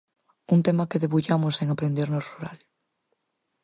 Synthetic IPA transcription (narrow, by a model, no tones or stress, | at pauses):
unt̪emakeðeβuʎamoseŋapɾend̪eɾnosruɾa̰l